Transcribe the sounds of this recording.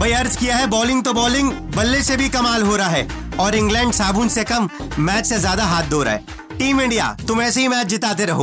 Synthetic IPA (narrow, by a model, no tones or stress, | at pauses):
bɐiɐɾzkijaɦɛbɔːlɪ̃ŋɡ̚t̪obɔːlɪ̃ŋɡbɐlːesebʱikɐmaːlɦoːɾɐaɦɛː | ɔːɾɪ̃ŋɡlɛ̃ːɳɖsaːbʱũːnsekɐmːɛːt͡ʃsezjaːd̪aɦaːt̪̚ʰd̪oːɾa̰ɦɛ̰ː | ʈiːmɪ̃ɳɖija̰ːt̪ʊmɛːseɦimɛːt͡ʃd͡ʒɪt̪aːt̪̬eɾɐɦo̰ː